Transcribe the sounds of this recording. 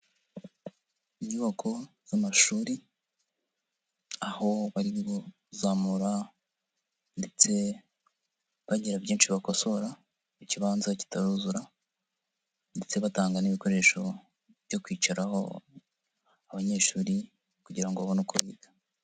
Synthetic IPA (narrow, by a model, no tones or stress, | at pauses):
iɲuβakʰo̞ | z̥amaʃuːɾi | aho̞βaɾiβo | zaːmuɾa | nde̞t͡se̞ | βaɟiɾabɟiːnʃiβakoso̞ɾa | iciβaːnzaci̥taɾuzuɾa | nde̞t͡se̞βataːŋɡaniβiko̞ɾe̞ʃo̞ | βjo̞kwiːt͡ʃaɾaho̰ | aβaɲe̞ːʃuːɾi | kuɟiɾaŋɡoaβonukʰuβiːɡḁ